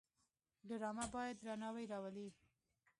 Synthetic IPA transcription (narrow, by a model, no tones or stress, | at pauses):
ɖʊɾɑmabɑjad̪ɾanɑwajɾɑwali